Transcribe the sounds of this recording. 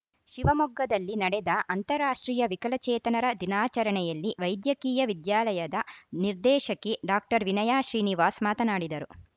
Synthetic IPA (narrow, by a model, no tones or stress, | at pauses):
ʃiʋɐmɔɡːɐd̪ɐlːinɐɽɛd̪ɐʔɐnt̪ɐɾaːʂʈɾiːjɐʋikɐlɐt͡ʃɛːt̪ɐnɐɾɐd̪inaːt͡ʃɐɾɐɳɛjɐlːiʋɐjd̪jɐkiːjɐʋid̪jaːlɐjɐd̪ɐniɾd̪ɛːʃɐkːeɖaːk̚ʈɐɾʋinɐjaːʃɾiːniʋaːsmaːt̪ɐnaːɽid̪ɐɾu